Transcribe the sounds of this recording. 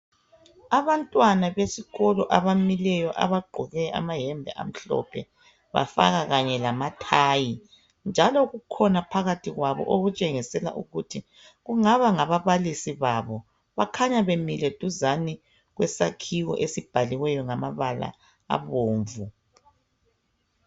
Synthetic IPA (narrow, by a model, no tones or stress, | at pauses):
aβantʼwanaβesiɣɔlɔʔaβamilɛjɔʔa̰βaɡ͡ǃʱɔɣɛʔa̰maɦɛmbʱɛ̰ʔa̰m̩ɬɔ̰pʰɛ | βa̰fa̰ɣaɣaɲɛlamatʰaːji | nd͡ʒʱalɔɣukʰɔnapʰaɣatʰiɣwaβɔ̰ʔoɣut͡ʃʼeŋisɛla̰ʔuɣutʰi | ɣuŋaβaŋaβaβalisiβaβɔ | βakʰaɲaβemilɛd̥ʱuzani | ɣwɛsakʰiwɔ̰ʔesib̥ʱaliwɛjɔŋamaβala̰ː | βoːɱvu